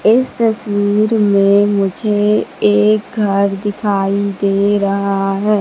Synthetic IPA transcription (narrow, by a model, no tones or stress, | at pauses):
ɪst̪ɐswiːɾmẽmʊd͡ʒʱeeːk̚ɡʱɐɾd̪ɪkʰaːid̪eːɾɐɦaaɦɛː